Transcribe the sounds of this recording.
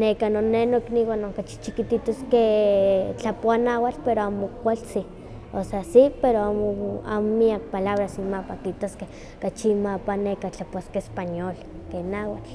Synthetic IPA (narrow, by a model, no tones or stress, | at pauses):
nekanonːenokniwanoŋkat͡ʃi̥t͡ʃikit̪it̪oske | t͡ɬapoanawalpeɾoamokʷalsi | oseasipeɾoamoa̰momiak̚palaβɾasimapakit̪oske | kat͡ʃimapanekat͡ɬapoaskeespaɲol | kenawat͡ɬ